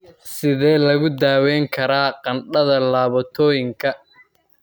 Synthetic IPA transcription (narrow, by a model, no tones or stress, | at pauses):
sɪðɛːlɐɣʊd̪aːwɛːŋkʰɐɾaːqɑnɖɐðɐlaːβɐt̪ʰɔːjɪŋkʰɐ